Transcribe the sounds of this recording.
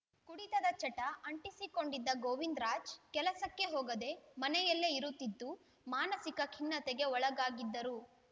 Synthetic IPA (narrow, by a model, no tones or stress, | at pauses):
kuɽit̪ɐd̪ɐt͡ʃɐʈːɐɐɳʈisiko̞ɳɖid̪ːɐɡoːʋind̪ɾaːd͡ʒkɛlɐsɐkːe̞ɦoːɡɐd̪e̞mɐnɛjɐlːeiɾut̪ːid̪ːu | maːnɐsikɐkʰinːɐt̪eɡe̞ɔɭɐɡaːɡid̪ːɐɾu